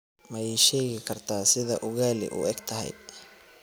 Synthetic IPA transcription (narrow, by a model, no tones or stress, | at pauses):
mɛjɛjʃɛːɣɪkʰɐrt̪ʰaːsɪðɐʔʊɣaːlɪ̰ʔʊ̰ɛɡt̪ʰɐɦɛ̰j